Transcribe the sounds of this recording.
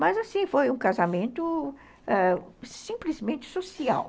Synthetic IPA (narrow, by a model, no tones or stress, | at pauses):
mɐzasĩfojũkazamẽnt̪ʊ | ɛsĩplizmẽnt͡ʃɪ̥sosia̰w